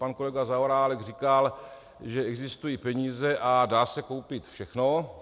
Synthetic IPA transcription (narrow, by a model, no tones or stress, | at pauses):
pankolɛɡazaoɾaːlɛɡrikal | ʒɛɛɡzɪst̪ujipɛɲiːzɛʔadaːsɛko̞wpɪt̪fʃɛxno